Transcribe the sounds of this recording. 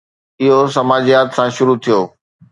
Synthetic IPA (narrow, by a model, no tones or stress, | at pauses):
ɪɦosɐmaːd͡ʑijaːt̪sãʃʊɾut̪ʰijoː